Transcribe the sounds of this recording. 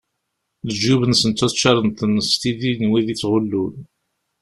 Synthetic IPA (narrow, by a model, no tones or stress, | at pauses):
ðəʒːuβənsənt͡s̪ːuθt͡ʃːɑɾˤənt̪ənːəst̪iðinwiðit͡sːʁʊlːun